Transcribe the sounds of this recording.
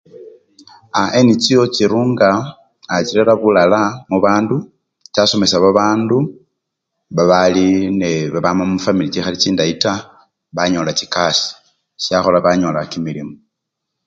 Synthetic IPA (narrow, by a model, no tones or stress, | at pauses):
aʔenit͡ʃijo̞t͡ʃiɾuːŋɡaː | t͡ʃiɾeɾaβulalamuβaːndu | t͡ʃaso̞me̞saβaβaːndu | βaβalineβaβamammufamilit͡ʃixalit͡ʃiːndaita | βaɲo̞lat͡ʃikasi̥ | siaxolaβaɲo̞lakimilimo